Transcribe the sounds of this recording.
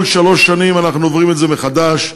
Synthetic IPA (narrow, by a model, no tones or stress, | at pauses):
lʃaloʃːanimanaχnuovʁimetzemeχad̪aʃ